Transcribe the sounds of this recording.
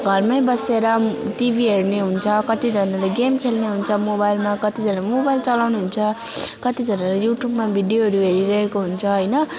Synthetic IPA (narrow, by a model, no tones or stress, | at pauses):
ɡʱʌrmajbʌseɾʌʈibʱiɦeɾneɦunt͡sʰʌkʌt̪id͡zʱʌnʌlajɡemkʰelneɦunt͡sʰʌmobajlmakʌt̪id͡zʱʌnamobajlt͡sʌlawnuɦunt͡sʰʌ | kʌt̪id͡zʱʌnʌlajuʈjubmabʱiɖijoɦʌɾuɦeɾiɾʌɦekoɦunt͡sʰʌɦʌjnʌ